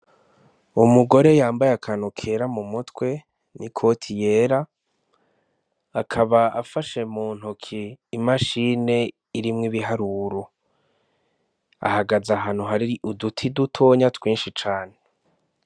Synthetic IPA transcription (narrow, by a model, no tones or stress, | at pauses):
umuɡo̞ɾe̞jaːmbajeakʰanukʰeɾamumutwe̞ | nʔikʰo̞tʰijeːɾa | kʰaβaa̰faʃe̞muːn̥hukʰiːmaʃine̞ | iɾimŋiβiɦaɾuɾo | a̰haɡazaɦaːn̥huɦaɾiɾiʔudutʰidutʰoːɲatwiːnʃit͡ʃaːne